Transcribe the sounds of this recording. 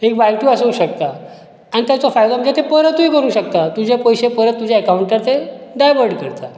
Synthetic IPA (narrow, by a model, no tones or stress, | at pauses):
ek̚balʈuasəuɕəkt̪a | anit̪jat͡sofajd̪aməd͡ʑet̪epəɾət̪ːuikəɾũːɕək̚t̪at̪ud͡ʑʱepojɕepəɾət̪ːud͡ʑʱaəkauɳʈəɾt̪eɖajʋəɾɖkəɾt̪a